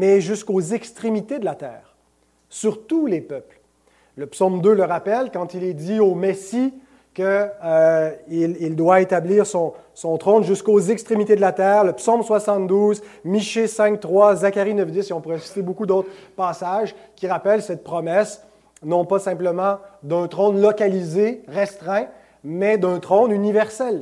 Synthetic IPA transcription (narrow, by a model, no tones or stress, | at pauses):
mɛʒyskozɛkst̪χemit̪ed̪əlat̪ɛːʁ | syʁt̪ulepœpl | ləpsɔmd̪øləʁapɛlkɑ̃t̪ilɛd̪iomesi | kʲəøilild̪waet̪abliːʁsɔ̃ | sɔ̃t̪χɔ̃nʒyskozɛkst̪χemit̪ed̪əlat̪ɛːʁləpsɔmswasɑ̃t̪̚d̪uːzmiʃesɛ̃k̚t̪χwazakʲaʁinœfd̪ɪseɔ̃puʁɛsi̥t̪ebokud̪ot̪χpaːsaʒkʲiʁapɛlsɛt̪̚pχɔmɛs | nɔ̃pasɛ̃pləmɑ̃d̪ɛ̃t̪χɔ̃nlɔkʲalizeʁɛst̪χɛ̃ | mɛd̪ɛ̃t̪χɔ̃nynivɛʁsɛl